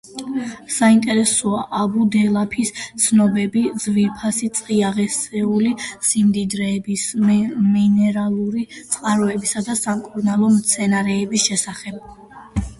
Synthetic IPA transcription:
saint̪ʼɛɾɛsɔaʔabud̪ɛlˠapʰist̪sʰnɔbɛbizvipʰasit̪sʼqʼiaʁɛsɛulisimd̪id̪ɾɛːbisminɛɾalˠuɾit̪sʼqʼaɾɔɛbisad̪asamkʼuɾnalˠɔmt̪sʰɛnaɾɛːbisʃɛsaχɛb̥̚

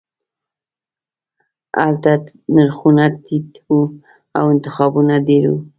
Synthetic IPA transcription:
a̰lt̪a | naɾxunat̪it̪u | a̰wɪnt̪ɪxɑbunad̪eɾu

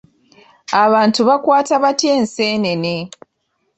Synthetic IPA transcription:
aβaːntuβakwaːtaβatje̞ːnseːne̞ne

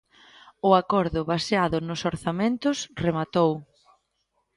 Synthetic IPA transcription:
ʊakɔɾðʊβaseaðʊnʊsoɾθamẽnt̪ʊsremat̪ow

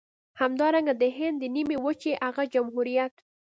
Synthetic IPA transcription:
hamd̪ɑɾaŋɡad̪əɦɪnd̪ːənimewət͡ʃeʔaɣad͡ʒamɦuɾijat̪

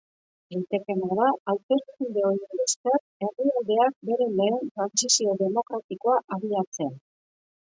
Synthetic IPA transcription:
dajt̪e̞ke̞naðaawt̪e̞st̪und̪e̞o̞ɾienbesker | e̞riald̪e̞ak̚be̞ɾe̞le̞ːnt̪ɾansisio̞ðe̞mo̞kɾat̪iko̞aʔaβiat͡se̞n

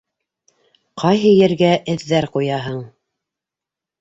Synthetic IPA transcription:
qʰɑjɦɤjɘ̆ɾɡæʔɘ̆ðːæɾqujɑɦɤɴ

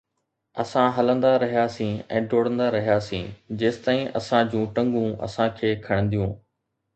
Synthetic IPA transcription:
ɐsãɦɐlə̃nd̪aɾɐɦijasĩːɛ̰̃ːɖʱoːɽə̃nd̪aɾɐɦijaːsĩːd͡ʑeːst̪aːĩʔɐ̰sãd͡ʑũːʈɐ̃ŋɡũɐ̰sãkʰeːkʰɐɽ̃ə̃nd̪ijũː

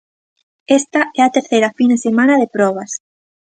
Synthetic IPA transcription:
est̪ɐɛɐt̪eɾθejɾɐfinesemãnɐðepɾɔβ̞ɐs

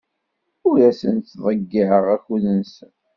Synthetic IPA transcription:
ʊɾæsə̰nt̪θðˤəɡːɪʕəʁæçuðənsən

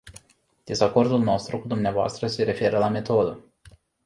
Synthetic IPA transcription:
d̪̥e̞zako̞rd̪ulno̞st̪ɾukud̪umneavoa̰st̪ɾəse̞ɾe̞fe̞ɾəlame̞t̪o̞d̪ə

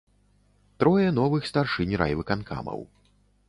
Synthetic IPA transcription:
t̪ɾɔjɛnɔvɨxst̪arʂɨnʲɾa̰jvɨkanka̰mɐ̰w

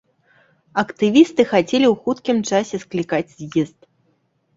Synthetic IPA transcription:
ɐkt̪ɨvʲist̪ɨxat͡sʲelʲiwxut̪kʲimt͡ʂasʲɛsklʲikad͡zʲzʲjɛst̪̚

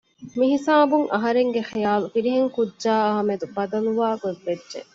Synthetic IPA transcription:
miɦisaːbuŋʔɐɦɐɾeŋɡexijaːlufiɾiɦeŋkudʒaːɐɦɐmed̪ubɐd̪ɐluʋaːɡoʋːedʒḛ

